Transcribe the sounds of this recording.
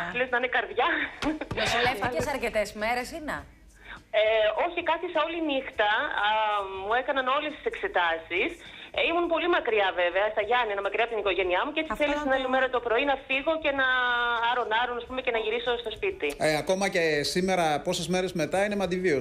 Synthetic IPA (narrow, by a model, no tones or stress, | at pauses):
θeliznɐɐnekɐɾðʝɐ | sleesɐɾcet̪ezmeɾesinḛ | eo̞çikɐθiseo̞linixt̪ɐ | mue̞kɐnɐno̞lest̪i̥se̞kse̞t̪ɐsisimunpo̞limɐkɾiɐve̞veɐst̪ɐʝɐnienɐmɐkɾiɐpot̪iniko̞ʝe̞niɐmuceet͡siθelist̪inɐlimeɾɐt̪o̞pɾo̞inɐfiɣo̞cenɐɐɾo̞nɐɾonɐspume̞ce̞nɐʝiɾiso̞st̪o̞spit̪ieɐko̞mɐcesime̞ɾɐpo̞sezme̞ɾezme̞t̪ɐinemɐd̪ivio